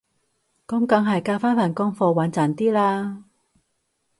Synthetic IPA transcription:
kɔ˨˥mkɐ˨˥ŋɦɐ˨jkaː˧wfaː˥nfaː˨˩nkɔː˥ŋfɔː˧˩waː˨˥nt͡saː˨˩nt̪iː˥laː˧

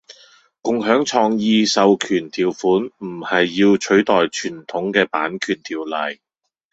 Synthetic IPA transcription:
kʊ˨ŋɦœː˨˥ŋt͡ʃʰɔː˧ŋjiː˧sɐ˨wkʰyː˨˩nt̪ʰiː˨wfuː˨˥nm̩˨˩hɐ˨jːiː˧wt͡ʃʰɵ˨˥ɥt̪ɔː˨jt͡ʃʰyː˨˩nt̪ʰʊ˨˥ŋkɛː˧paː˨˥nkʰyː˨˩nt̪ʰiː˨wlɐ˨˩j

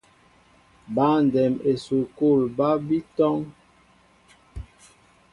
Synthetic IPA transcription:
ba˦n˨dɛ˨me˨su˨ko˦˨lba˦bi˦tɔ˦ŋ

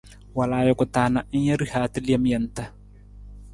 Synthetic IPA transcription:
wa˨laː˨jɔ˨kʼʊ˨taː˨na˨ʔi˦ɲ˦ja˦ɾi˦haː˨ti˦li˦a˦m˦jɐ˨nta˦

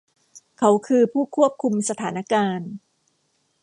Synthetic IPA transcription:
kʰa˦˥wkʰɯː˧pʰuː˥˩kʰu˥˩əp̚kʰu˧msa˧t̪ʰaː˩˦na˦˥kaː˧n

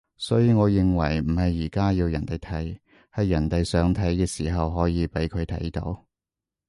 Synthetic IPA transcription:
sɔː˨˥jiː˧ŋɔː˨˧jɪ˨ŋwɐ̰˨˩jm̩˨˩hɐ˨jːiː˨˩kaː˥jiː˧wjɐ˨˩nt̪e˨˩jt̪ʰɐ˨˥j | hɐ˨˧jːɐ˨˩nt̪e˨jsœː˨˥ŋt̪ʰɐ˨˥jkɛː˧siː˨˩ɦɐ˨wɦɔː˨˥jiː˨˧pe˨˥jkʰɵ˨˧t̪ʰɐ̰˨˥jt̪o̰˨˥w

